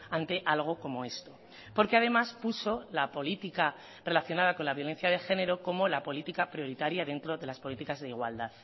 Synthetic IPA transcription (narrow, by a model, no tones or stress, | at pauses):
ant̪e̞ʔalɣ̞o̞ko̞mo̞e̞st̪o̞ | po̞ɾke̞að̞e̞maspuso̞lapo̞lit̪ika | re̞laθjo̞nað̞ako̞nlaβjo̞le̞n̟θjað̞e̞xe̞ne̞ɾo̞ko̞mo̞lapo̞lit̪ikapɾjo̞ɾit̪aɾjaðe̞nt̪ɾo̞ðe̞laspo̞lit̪ikazðeiɣwa̰ld̪að